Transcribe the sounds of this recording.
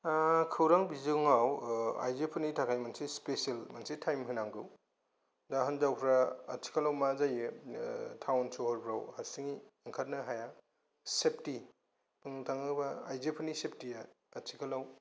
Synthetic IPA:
kʰɯwɾaŋbizɯŋawa̰jzepʰɯnitʰakʰajmansispesielmansitʰajmɦɯnaŋɡɯw | daɦɯnzawpʰɾaɐt͡ʃʰi̥kʰalawmazajɯ | tʰawnsohɔɾpʰɾawhaɾsiŋiɯŋkʰat̚nɯɦaja | sep̚ʰti | pʰɯŋtʰaŋɯbaːjzepʰɯnisep̚tijaː | t͡ʃʰikʰalaw

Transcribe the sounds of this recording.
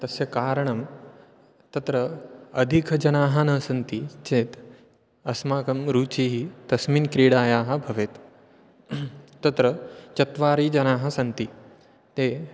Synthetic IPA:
t̪ɐsjɐkaːɾɐɳ̃ɐm | t̪ɐt̪ɾɐɐd̪ʱikʰɐd͡ʒɐnaːɦɐnɐːsɐnt̪it͡ʃeːt̪ | ɐsmaːkɐmɾuːt͡ʃiːɦit̪ɐsminkɾiːɽaːjaːɦɐ̆bʱɐʋeːt̪ | t̪ːɐt̪ɾɐt͡ʃɐt̪ʋaːɾiːd͡ʒɐnaːɦɐ̆sɐnt̪i | t̪eː

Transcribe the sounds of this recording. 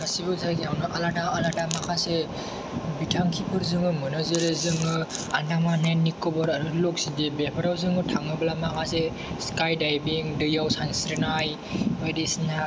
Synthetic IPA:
asibɯzaɡiawnɯʔalataalatamakʰase | bitʰaŋkʰipʰɯɾzɯŋɯmɯnɯzeɾezɯŋɯa̰namananːikɔbɔɾaɾulɔk̚sidebepʰaɾawzɯŋɯtʰaŋnɯblamakʰase | skajdajbiŋdɯjawsansɾɯnaj | ajdesna

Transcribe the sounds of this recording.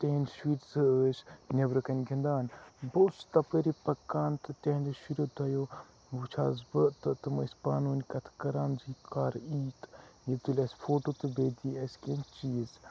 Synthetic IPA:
t̪eɦinʃwiːt̪zɨəːsnʲebɾɨkɐnʲɡʱʲind̪aːnbost̪ɐpəɾipɐkːaːnt̪ɨt̪ʲeɦnʲd̪ɨʃiɾod̪ɐjo | ʋut͡ʃʰaːzbəʔt̪ɨt̪ɨmɐsʲpaːnuːnʲkɐt̪ʰkɐɾaːnzikʰaːɾiːt̪jit̪ulʲɐsʲfʰoːʈot̪ɨbeːd̪iɐsʲkent͡ʃiːz

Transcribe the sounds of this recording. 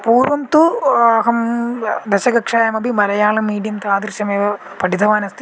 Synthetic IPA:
puːɾʋɐmt̪uɐɦɐmd̪ɐʃɐɡɐkʂaːjɐmɐbimɐɾɐjaːlɐmiːɖijɐmt̪ɐaːd̪ɾʃɐmeːʋɐ | pɐɽid̪ʰɐʋaːnɐst̪i

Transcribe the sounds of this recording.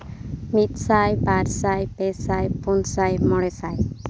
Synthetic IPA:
mit̪̚sajbaɾsajpesajpunsajmɔɽɛsaj

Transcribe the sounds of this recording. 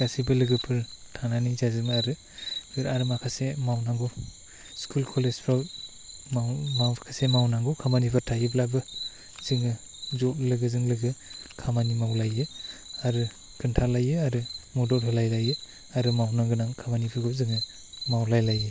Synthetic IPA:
ɡasibɯlɯɡɯpʰɯɾtʰananizazɯŋaɾɯ | bɯɾaɾɯmakʰasemawnaŋɡɔ | skʰulkʰɔlezpʰɾawt̚ | mawmawkʰasemawnaŋɡukʰamanipʰɯtʰajɯblabɯ | z̥ɯŋɯ | zɔt̚lɯɡɯzɯŋlɯɡɯkʰamanimawlajɯaɾɯ | kʰɯntʰalajɯaɾɯmɔdɔɾtʰɯlajlajɯ | aɾɯmawnaŋɡɯnaŋkʰamanipʰɯɾɡɯbzɯŋɯ | mawlajlajɯ

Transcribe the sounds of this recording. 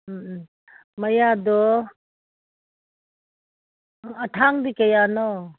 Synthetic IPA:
mɐjadɔ | ɐtʰaŋdikɐjanɔ

